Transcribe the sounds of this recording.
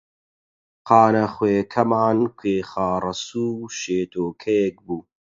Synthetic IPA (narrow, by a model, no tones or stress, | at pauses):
qʰɑːnɐχweːkʰɐmaːnkʷʰeːxaːrɐsuːʃeːt̪ʰoːkʰɐjek̚buː